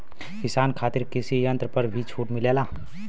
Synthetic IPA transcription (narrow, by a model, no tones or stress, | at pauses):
kɪsaːnkʰaːt̪ɪɾkɪsiɐ̃nt̪ɾəpɐɾbʱit͡ʃʰuːʈmɪleːlaː